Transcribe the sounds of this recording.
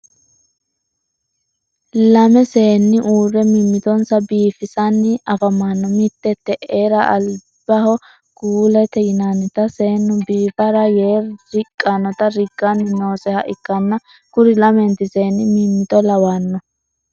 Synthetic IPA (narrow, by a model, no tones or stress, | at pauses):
lɐmɛse̞ːnːɪʔuːrɛmimːɪt̪ɔnsɐbiːfɪsɐnːɪɐfɐmːanːɔmɪt̪ːɛt̪ːɛʔeːɾɐʔɐl | b̥ɐhɔ | ɡ̥uːlɛt̪ɛjɪnanɪt̪ɐseːnːɔbiːfɐɾɐjeːɾɾɪkʼːanːɔt̪ɐɾɪɡʼːɐnːɪno̞ːsʼɛhɐʔɪkːɐnːɐ | kʊɾɪlɐmɛnt̪ɪseːnːɪmiːmːɪt̪ʼɔlɐwanːɔ